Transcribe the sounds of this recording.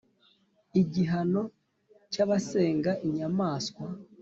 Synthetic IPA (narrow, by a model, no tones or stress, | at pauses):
iɟiɦano̞ | caβase̞ːŋɡaʔiɲamaːskwa